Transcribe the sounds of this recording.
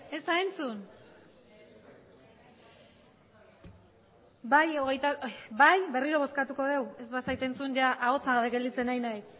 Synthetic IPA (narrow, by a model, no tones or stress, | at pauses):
e̞zt̪ae̞nt͡sun | bajo̞ɣe̞jt̪abajβe̞riɾo̞β̞o̞skat̪uko̞ð̞e̞we̞zd̪asajt̪e̞nt͡sunʝaʔaɣo̞t͡saɣaβe̞ɡe̞ld̪it͡se̞najnajs